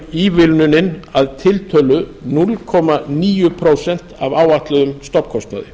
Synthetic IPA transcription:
iːvɪlnʏnɪnaðt̪ʰɪlt̪ʰœːlʏnulkʰɔːmaniːjʏpʰɾoːwsɛn̥t̪avaːwaht̪lɛðʏmst̪ɔpkʰɔst̪na̰ðɪ̰

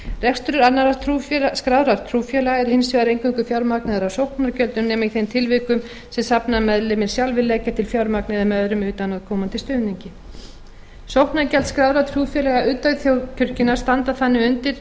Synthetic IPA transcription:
rɛkst̪ʏɾʏɾanaɾaɾ̥t̪ʰuskɾawɾaɾ̥t̪ʰɾuːfjɛlaɣɛɾhɪnsvɛːðaɾejŋkʏŋkʏfjawɾmaknɛðaɾawsowhknaɾcœlt̪ʏmnɛːmaiθejmt̪ʰɪlvɪkʏm | sɛmsapnamɛðlɪmɪɾ̥sjalvɪlɛːcḁt̪ʰɪlfjawɾmaknɪðamɛœðɾʏmʏːt̪anaðkʰɔːmant̪ɪst̪œːɥniɲcɪ | sowhknaɾcɛlt̪skɾawɾat̪ʰɾufjɛlɛɣaʔʏːt̪aɥθjowcʰʏɾ̥cɪnːaɾ̥st̪ant̪aθanːɪʏnt̪ɪɾ̥

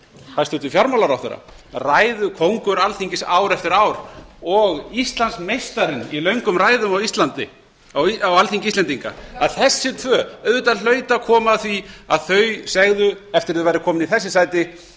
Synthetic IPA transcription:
hajst̪ʏt̪ʏfjaɾmawlaɾawθɛ̰ɾːa̰ | raːjðʏkʰowŋkʏɾalθiŋɲcɪsaːwɾɛft̪ɪɾaːwɾ̥ɔɣist̪lansmejst̪aɾɪnilœɥŋkʏmraːjðʏmawist̪lant̪ɪ | awalθiŋɲcɪist̪ɛnt̪iŋka̰aðθɛsːɪt̪ʰvœːœɥðʏt̪al̥œːɥt̪akʰɔːmaθviaðθœɥsɛɣðʏɛft̪ɪɾaðɪvajɾɪkʰɔːmɪniθɛsːɪsaːjt̪ɪ

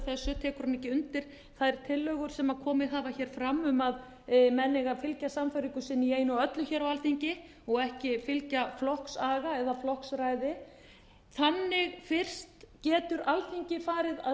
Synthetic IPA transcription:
θɛsːʏt̪ʰɛːkʏɾanɛcɪʏnt̪ɪɾ̥ | θaɾ̥t̪ʰɪlːœːɣʏɾ̥sɛmakʰɔːmɪɦaːvaçɛːɾ̥fɾamːʏmað | mɛnːɪɣafɪlcasamfœjɾiŋkʏsɪnːieːjnɔœt̪lʏçɛɾawalθiɲcɪ | ɔɣɛhcɪfɪlcaflɔhksaːɣaɛðaflɔhksɾajðɪ | θanːɪɣfɪr̥st̪cɛːt̪ʏɾalθiɲcɪfaːɾɪða

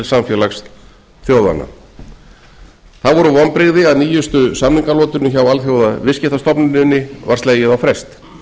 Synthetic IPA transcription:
lsamfjɛːlaxs | θjoːwða̰nːa̰ | θaðvɔɾʏvɔnpɾɪɣðɪaðniːjʏst̪ʏsamliŋkalɔːt̪ʏnːʏçawalθjoːwðavɪscɪht̪ast̪ɔpnɪnɪnːɪvaɾ̥seːjɪðawfɾɛst̪

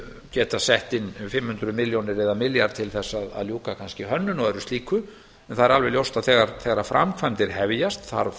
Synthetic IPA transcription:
cɛːt̪asɛht̪ɪnfɪmhʏnt̪ɾʏmɪljownɪɾɛðamɪljaɾt̪ʰɪlθɛsːaða̰ðljuːkakʰanscɪɦœnːʏnɔɣɛɾʏst̪liːkʏ | ɛnθaðɛɾalvɛljowst̪aðθɛːɣaɾθɛːɣaɾafɾʔa̰mkʰvajmt̪ɪɾ̥ɦɛvjast̪θa̰ɾ

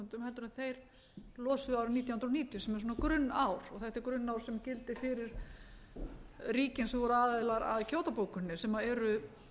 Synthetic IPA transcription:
nt̪ʏmhɛlt̪ʏɾʏmθejɾ̥ | lɔːsʏaːwɾɪmniːt̪jwhnɾɔniːt̪jʏsɛmɛɾ̥s̬uːnakɾʏnːawɾɔɣθɛht̪ɪɾkɾʏnːawɾ̥sɛmcɪlt̪ɪfɪɾɪɾ̥ | riːcɪnsɛmvɔɾʏaːðɪlaɾa̰ðcʰoːwt̪apowkʏnːɪsɛmaɛɾʏ

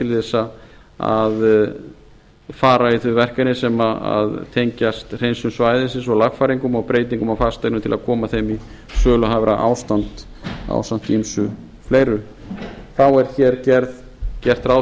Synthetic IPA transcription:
t̪ʰɪlθɛsːa | a̰ð | faːɾaiθvʏvɛr̥kanɪsɛmaa̰ðt̪ʰejɲcast̪r̥ejnsʏmsvaːjðɪsɪs̬ɔɣlaɣfaːɾiŋkʏmawpɾeːjt̪̬iŋkʏmawfast̪ajnʏmt̪ʰɪlaðkʰɔːmaθejmi | sœːlʏɦavɾaʔa̰ːwst̪an̥t̪ | a̰ːwsan̥t̪imsʏ | fleːjɾʏ | θawɛɾ̥çɛɾcɛɾð | cɛr̥t̪raːw

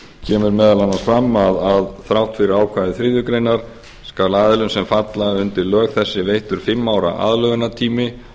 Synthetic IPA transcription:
cʰɛːmʏɾmɛːðalanːaɾ̥fɾamːaðaðθɾawht̪fɪɾɪɾaːwkʰvaːðɪθɾɪːðʏkɾejnaɾ̥ | skaɾlaːðɪlʏnsɛmfat̪laðʏnt̪ɪɾlœːɣθɛsːɪvejht̪ʏɾ̥fɪmːawɾa̰ʔa̰ðlœɣʏnat̪ʰiːmɪ

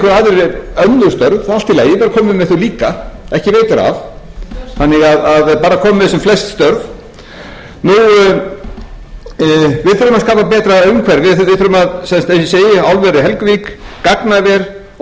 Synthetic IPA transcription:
kʏɾaðʏɾɛɾœnːʏɾ̥st̪œɾval̥t̪ɪleːjɪpɛːɾakʰɔːmɪmɛðθuliːkaɛhcɪveːjt̪ʏɾa̰v | θanːɪɣaðaðpaːɾakʰɔːmɪvɪɛsʏmflɛst̪st̪œɾv | nu | vɪðθœɾʏmaskaːpapɛːt̪ɾaœɥmkʰvɛɾvɪvɪðθʏɾʏmaðsɛnst̪ensɪseːjɪawlvɛɾɪɦɛlkviːkkaknavjɛɾ̥

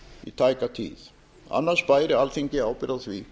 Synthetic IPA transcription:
ḭt̪ʰajkat̪ʰḭːð | a̰nːasbaɪɾɪalθɪŋkɪawpɪɾaθvi

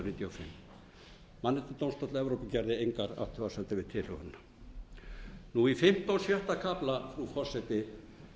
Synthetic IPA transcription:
niːt̪jawfɪ̰mː | anːɪt̪ʏt̪awnst̪ɔt̪lɛvɾowpɪcaɾðɪejŋkaɾa̰̥t̪ʰʏvasɛnt̪ɪvɪð̥t̪ʰɪlhʏhanːḁ | nuifɪm̥t̪awsjɛht̪akʰaplafɾukʰɔsɛt̪ɪ

